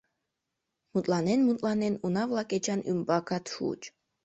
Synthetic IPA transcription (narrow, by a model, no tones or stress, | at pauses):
mut̪ʼlˠɑnenmut̪ʼlˠɑnenunɑvlˠɑket͡ʃanymbɑkat̪ʃṵt͡ʃ